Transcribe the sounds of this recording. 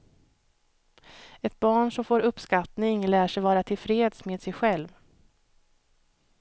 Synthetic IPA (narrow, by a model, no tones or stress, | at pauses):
ɛt̪̚bɑːɳʂɔmfoːɾɵpskat̪nɪŋlæːʂɛjvɑːɾat̪ʰɪlfɾeːd̪smeːd̪sɛjɧɛlv